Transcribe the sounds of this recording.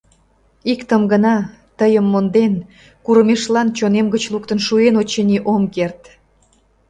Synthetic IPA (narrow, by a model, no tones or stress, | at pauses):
ikt̪əmɡənɑ | t̪əjəmːond̪en | kuɾəmeʃlɑnt͡ɕonemɡət͡ɕlukt̪ənʃuenot͡ɕenʲiʔomkert̪